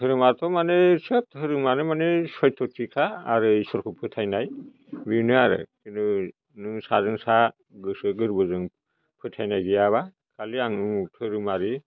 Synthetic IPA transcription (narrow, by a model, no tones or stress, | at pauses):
ɯɾɯmaɾt̪ʰɔmanesɯthɯɾɯmanɯmanesɔjtʰɔtʰikʰaːɾɯisɔɾkʰɯpʰɯtʰajnaj | binɯaɾɯ̰kʰinɯ | nɯŋsazɯŋsa | ɡɯsɯɡɯɾbɯzɯŋ | pʰɯtʰajnajɡijaβa | kʰaliaŋɯŋtʰɯɾɯmaɾi